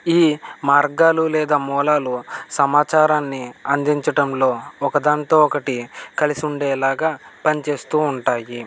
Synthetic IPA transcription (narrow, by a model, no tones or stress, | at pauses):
iːmaːɾɡaːlulɛːd̪aːmɔːlaːlusɐmaːt͡ʃaːɾaːnːiɐnd̪iɲt͡ʃɐʈɐmlo̞ːɔkɐd̪aːnt̪oːɔkɐʈikɐlisiuɳɖɛːlaːɡaːpɐnit͡ʃe̞ːst̪uːɳʈaːji